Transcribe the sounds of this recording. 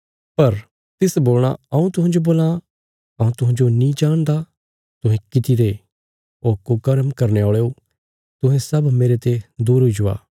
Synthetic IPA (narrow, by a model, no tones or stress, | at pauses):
pɐɾ | t̪ɪsboːlɽ̃a̰ɐũt̪ʊɦãːd͡ʒoboːla | ɐũt̪ʊɦãːd͡ʒonĩd͡ʒaːɽ̃d̪a | t̪ʊɦɛ̃kɪt̪iɾe | oːkːokɐɾəmkɐɾneoːɭeo | t̪ʊ̃ɦɛ̃sɐbmeːɾet̪ed̪uːɾɦoid͡ʒʊa̰ː